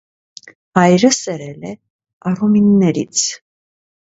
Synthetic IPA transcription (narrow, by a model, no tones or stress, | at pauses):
hɑjɾəsɛɾɛlɛ | ɑruminːɛɾḭt͡sʰ